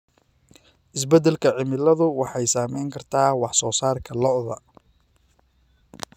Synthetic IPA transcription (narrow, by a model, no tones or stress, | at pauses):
ʔɪs̬bɛd̪ɛlkʰɐʕɪmɪlɐðʊwɑħɑjsaːmɛjŋkʰɐrt̪ʰaːwɑħsɔːsaːrkʰɐlɔʔðɐ